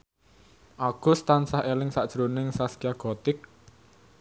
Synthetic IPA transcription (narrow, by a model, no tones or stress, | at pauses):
ʔaɡ̥ʊ̤st̪ansahʔelɪŋsaʔd̥ʒ̥ɾonɪŋsaskiaɡ̥ɔ̤t̪ɪk̚